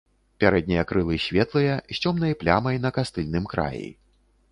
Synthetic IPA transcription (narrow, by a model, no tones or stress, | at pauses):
pʲaɾɛd̪̚ʲnʲijɐkɾɨlˠɨsʲvʲɛt̪lˠɨjɐsʲt͡sʲɔmnɐjɐplʲa̰mɐjnɐkast̪ɨlʲnɨmkɾa̰jḭ